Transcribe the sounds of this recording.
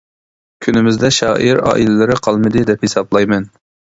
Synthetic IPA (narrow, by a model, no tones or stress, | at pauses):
kʲʰynɪmɪzd̪ɛʃɑːʔiɾɑ̰ːʔilɪlɪɾɪqʰɑlˠmɨd̪ɨd̪ɛphisɑblˠɑjmɛn